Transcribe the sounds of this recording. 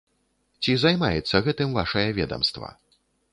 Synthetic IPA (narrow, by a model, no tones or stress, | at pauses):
t͡sʲizajma̰jɛt̪sːɐɣɛt̪ɨmva̰ʂɐjɐvʲɛ̰d̪ɐ̰mst̪vɐ̰